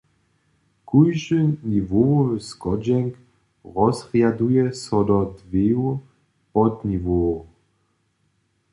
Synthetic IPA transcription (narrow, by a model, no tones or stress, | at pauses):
kujʒəɲivoskɔd͡ʑɛŋk | ʁɔzʁjadujɛsɔd̪ɔd̪vew | pɔd̪ɲivo